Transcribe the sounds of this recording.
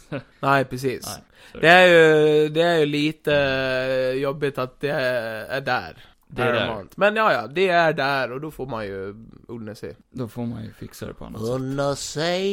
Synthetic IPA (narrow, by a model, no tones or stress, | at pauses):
næɪpʰɾɛs̬iːs | ɛæɾjʊd̪ɛæɾjʊliːt̪ə | jɔbːɪt̪ɑt̪̚d̪ɛæɖæ̰ːɾ | d̪æmɑ̰nt̪mɛnjɑːjɑːd̪ɛæɖæɾɔd̪ɔfoːɾmɑnjʊʊlːəsɛ̰ | d̪ofoɾmɑnjʊ̰fɪksə̰d̪ɛ̰pʰɔ̰nnəsɛ